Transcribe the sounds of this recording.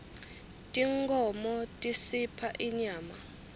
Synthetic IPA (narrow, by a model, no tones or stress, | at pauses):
tʼiŋkʰʼɔmɔtʼisipʰaʔiɲaːma